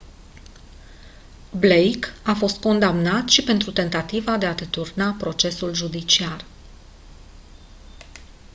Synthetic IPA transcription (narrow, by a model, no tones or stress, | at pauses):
blejkafo̞st̪̚ko̞nd̪amnat̪ʃipe̞nt̪ɾut̪e̞nt̪at̪ivad̪e̞ad̪et̪urnapɾo̞t͡ʃe̞sulʒud̪it͡ʃiar